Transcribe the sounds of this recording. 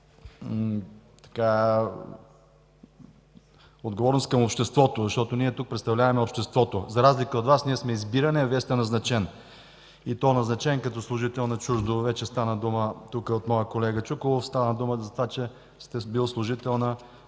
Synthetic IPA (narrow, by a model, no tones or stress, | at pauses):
t̪ɐ̥ka | od̪ɡovɔɾnoskəmopʃt̪ɛst̪vɔt̪ozɐʃt̪ɔt̪oniɛt̪uk̚pɾɛt̪st̪ɐvlʲavɐmɛopʃt̪ɛst̪vɔt̪ozɐɾazlikəot̪vasniɛsmɛizbiɾɐnɛviɛst̪ɛnɐznɐt͡ʃɛn | it̪ɔɛnɐznɐt͡ʃɛnkɐt̪ɔslˠʊʒit̪ɛlˠnɐt͡ʃuʒd̪ovɛt͡ʃɛst̪anəd̪umət̪ukəot̪mɔjəkolɛɡət͡ʃukolˠofst̪anəd̪uməzɐt̪ovat͡ʃɛ | st̪ɛbilˠslˠʊʒit̪ɛlˠnə